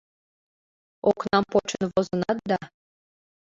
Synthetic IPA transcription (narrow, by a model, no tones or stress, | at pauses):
oknɑmpot͡ɕənvozɤnɑt̪̚d̪ɑ